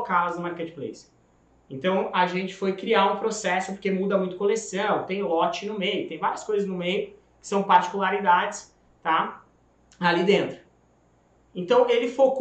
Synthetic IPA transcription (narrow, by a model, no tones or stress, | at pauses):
kalɐznʊmaɾked͡ʒɪplḛjs | ẽt̪ɐ̃w̃aʒẽnt͡ʃɪ̥fojkɾiaũpɾosɛsʊpoɾkemud̪ɐmũj̃t̪ʊkolesɐ̃w̃t̪ẽj̃lɔt͡ʃɪnʊmejʊt̪ẽj̃vaɾiɐskojzɐznʊmejʊ | kɪ̥sɐ̃w̃paɾt͡ʃi̥kulaɾid̪ad͡ʒɪs | t̪a | alid̪ẽnt̪ɾʊ | ẽnt̪ɐ̃w̃elɪfok